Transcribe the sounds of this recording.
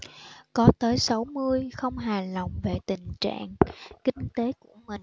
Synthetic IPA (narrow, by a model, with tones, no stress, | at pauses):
kɔ˨˦t̪əː˨˦jsa˨˦wmɨ˧əjxə˧wŋ͡mɦaː˨˩lə˨˩wŋ͡mve˨˩t̪ï˨˩ŋ̟t͡ɕa̰ː˧˨ŋkï˧ŋ̟t̪e˨˦ku˧˩əmï˨˩ŋ